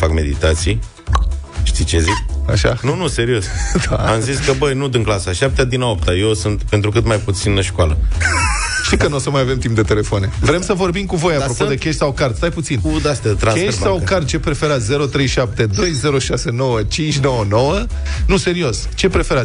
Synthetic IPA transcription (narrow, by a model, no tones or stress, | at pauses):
fakme̞̰d̪ḭt̪at̪sij | ʃt̪it͡ʃezika̰ʃa̰nunuse̞ɾiosd̪aamziskəbəjnud̪ɨŋklasaʃap̚t̪ead̪inaop̚t̪ajewsɨnt̪pe̞nt̪ɾuk̬ɨt̪majput̪sinləʃkoalə | ʃt̪ikənosəmajave̞mt̪imp̚d̪e̞t̪e̞le̞foone̞vɾe̞msəvo̞rbimkuvo̞japɾopod̪ekʲeʃt̪ʲsawkart̪st̪ajput̪sinud̪ast̪ʲat̪ɾanesʃsawkart̪̚t͡ʃe̞pɾe̞fe̞ɾat̪sʲze̞ɾo̞t̪ɾe̞jʃap̚t̪e̞d̪o̞jze̞ɾo̞ʃase̞no̞wət͡ʃint͡ʃʲno̞wəno̞wə | nuse̞ɾio̞sʲ | t͡ʃe̞pɾe̞fe̞ɾat̪ʲ